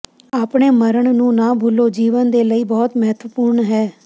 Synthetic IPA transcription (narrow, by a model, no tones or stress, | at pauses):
aːpɳeːməɾəɳnũːnaːbʱuloːd͡ʒiːʋənd̪eːləiːbɔːt̪mɛɦt̪ʰʋəpuːɾɳɦɛː